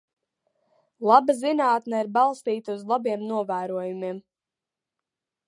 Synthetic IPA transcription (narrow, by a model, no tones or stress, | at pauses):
lˠabazinaːt̪nɛiɾbɑlˠst̪iːt̪auzlˠabiɛmnuɔvæːɾuɔjumim